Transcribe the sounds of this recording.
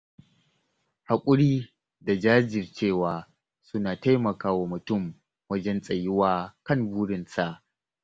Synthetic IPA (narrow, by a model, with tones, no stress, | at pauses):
ha˨kʷʼʊ˦ɽiː˦ | da˨d͡ʒaː˦d͡ʒɪ˨rt͡ʃeː˦˨waː˨ | sʊ˦naː˨ta˦jmɐ˨kaː˦wa˨mʊ˨tʊ˦˨m | wɐ˦d͡ʒɛ˦nsʼɐ˨jɪ˦waː˦kɐ˦˨nbuː˦ɽɪ˨nsa˨ʔ